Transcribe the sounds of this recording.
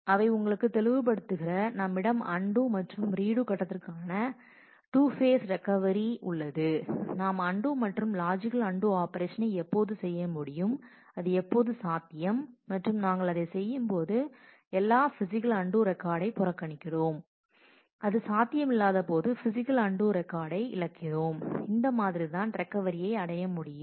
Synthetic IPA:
ɐʋɐɪʊŋɡɐɭɯkːɯt̪ɛɭɯʋɯp̬ɐɽɯt̪ːɯɣɪrɐnɐmːɪɽɐmɐɳɖuːmɐʈrɯmɾiːɽuːkɐʈːɐt̪ːɪrkaːnɐ | ʈuːfeːsɾɛkːɐʋɐɾiʔʊɭːɐðɯnaːmɐɳɖuːmɐʈrɯmlaːd͡ʒɪkɐlɐɳɖuaːpɐɾeːʂɐnɐɪɛpːoːðɯsɛjːɐmʊɽɪjɯm | ɐðɯɛpːoːðɯsaːt̪ːɪjɐmːɐʈrɯmnaːŋɡɐɭɐðɐɪsɛjːɯmpoːðɯ | ɛlːaːfɪsɪkɐlɐɳɖuːɾɛkːaːɽɐɪpʊɾɐkːɐɳɪkːɪɽoːm | ʔɐðɯsaːt̪ːɪjɐmɪlːaːðɐpoːðɯfɪsɪkːɐlɐɳɖuːɾɛkːaːɽɐɪɪ̰ɭɐkːɪðoːmɪnd̪ɐmaːðɪɾit̪aːnɾɛkːɐʋɐɾɪjɐɪɐɽɐjɐmʊɽɪjɯm

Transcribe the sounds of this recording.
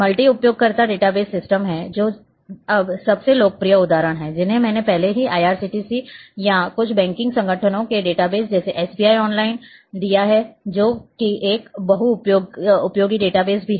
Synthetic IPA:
mɐlʈiʊpjoːɡ̚kɐɾt̪aɖeːʈabeːzsɪsʈəmɦɛːd͡ʒoː | ɐbsɐbseloːɡ̚pɾijəʊd̪aːɾəɽ̃ɦɛːd͡ʒɪnɦẽmɛ̃ːnepɛɦleɦiʔaːjaːɾsiːʈiːsijãkʊt͡ʃʰbɛ̃ːŋkɪ̃ŋɡsɐ̃ŋɡʱəʈʰənõkeɖeːʈabeːzd͡ʒɛːseʔɛːsbiːaːiɔːnlaːɪnd̪ijaɦɛd͡ʒoːkiʔeːkbɐɦuʊpjoːɡʊpjoːɡiɖeːʈabeːzbʱiɦɛ

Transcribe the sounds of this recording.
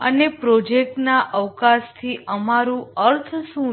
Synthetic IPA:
ənepɾod͡ʒek̚ʈnaʔəʋkast̪ʰiʔəmaɾũəɾt̪ʰsũ

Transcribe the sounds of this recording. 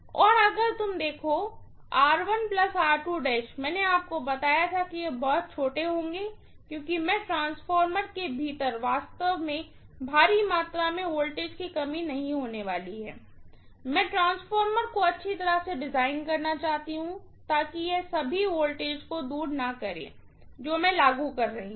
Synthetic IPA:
ɔːɾɐɡəɾt̪ʊmd̪eːkʰo | aːɾʋənplɐsaːɾʈuːɖeːʃmɛ̃ːneaːp̚kobɐt̪aːjat̪ʰakijebɔɦʊt̪̚t͡ʃʰoːʈeɦõːŋɡeː | kjõːkimɛ̃ːʈɾãːnsfɔːɾməɾkebʱiːt̪əɾʋaːst̪əʋmẽ | bʱaːɾimaːt̪ɾamẽoːlʈeːd͡ʒkikɐmĩnɐɦĩɦoːneʋaːliɦɛ̰ː | mɛ̃ːʈɾãːnsfɔːɾməɾkoɐtːʃʰit̪ɐɾəseɖɪzaːɪnkɐɾnat͡ʃaːɦt̪iɦũ | t̪aːkijesɐbʱioːlʈeːd͡ʒkod̪uːɾnɐkɐɾḛ̃ː | d͡ʒoːmɛ̃laːɡukɐɾːɐɦĩ

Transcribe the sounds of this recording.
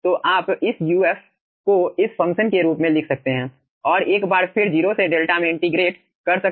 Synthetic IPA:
t̪oːʔaːpɪsjuːɛːf | koɪsfɐ̃ŋkʃənkeɾuːpmẽlɪkʰsɐk̚t̪eɦɛ̃ː | ɔːɾeːkbaːɾfʰɪɾd͡ʒiːɾoseɖeːlʈamẽɪ̃ɳʈɪɡɾeːʈ | kɐɾsɐk̚

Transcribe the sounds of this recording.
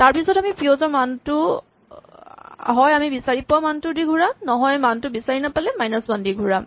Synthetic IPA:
taɹpisɔtamipiozɔɹmantʊ | ɦɔjamibisaɹipʊamantʊdiɡʱuɹanɔɦɔjmantʊbisaɹinapalɛmajnasmandiɡʱuɹa

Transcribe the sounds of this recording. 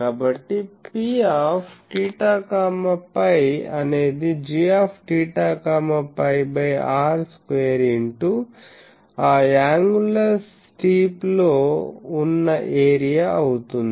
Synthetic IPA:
kaːbɐʈːipiːaːpʰʈiːʈaːkaːmɐpɐjɐne̞ːd̪id͡ʒiːaːpʰʈiːʈaːkaːmɐpɐjbɐjaːɾskʋeːɾiɳʈu | aːaːŋɡulɐs | ʈiːploːunːɐʔeːɾijaːɐwut̪und̪

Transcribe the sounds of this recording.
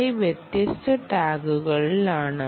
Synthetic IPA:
ɐɪʋjɛt̪jɐst̪ʰɐʈaːɡɯɣɐɭiɪlaːnɐ

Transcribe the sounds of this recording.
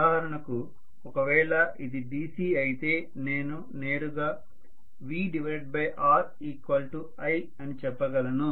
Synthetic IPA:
ɦɐɾɐɳɐku | ɔkɐʋɛːɭɐʔid̪iɖiːsiːɐjit̪e̞ː | ne̞ːnu | ne̞ːɾuɡaː | ʋiːɖiʋɐɾeʈ̚bɐjʔaːɾ | iːkʋɐlʈu | ɐj | ɐnit͡ʃɛpːɐɡɐlɐnu

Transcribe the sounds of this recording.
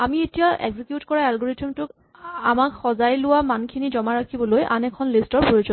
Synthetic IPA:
amietijaʔḛɡzikjutkɔɹaɛlɡoɹetiɔmtʊk | amakxɔzajlʊwamankʰinizɔmaɹakʰibɔlojʔa̰nɛkʰɔnlistɔɹpoɹitɔ

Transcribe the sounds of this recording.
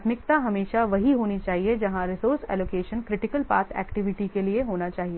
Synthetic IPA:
t̪mɪk̚t̪aɦɐmeːʃaʋɐɦiɦoːnit͡ʃaːɦied͡ʒɐɦãɾɪsoːɾsɛ̰ːloːkeːʃənkɾɪʈɪkəlpa̰ːɾt̪ʰɛ̰ːkʈɪʋɪʈikelieɦoːnat͡ʃaːɦieː

